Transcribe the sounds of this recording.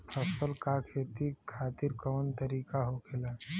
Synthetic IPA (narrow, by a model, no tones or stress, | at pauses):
pʰəsəlkakʰeːt̪ikʰaːt̪iɾkəʋənt̪əɾiːkaɦokʰela